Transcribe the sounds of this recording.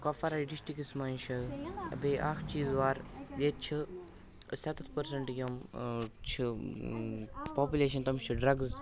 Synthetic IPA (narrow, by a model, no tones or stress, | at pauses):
kɐfɐɾaɖisʈikismaːnʃɐlɐ̰beːʔaːkʰt͡ʃiːzʋaːɾjeːt͡ʃʰi | sɐt̪ɐt̪ʰpɐɾsɐɳʈjoːmt͡ʃʰi | poːpuleːʃ̬ɐnt̪ɐmt͡ʃʰiɖɾɐɡz